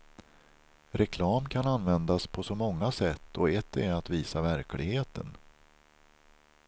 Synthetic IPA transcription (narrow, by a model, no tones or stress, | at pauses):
ɾɛkʰlɑːmkʰananvɛnd̪aspʰɔsɔmɔŋːasɛt̪ʰːɔɛt̪ːɛɾat̪viːsavæɾklɪɡheːt̪ʰə̰n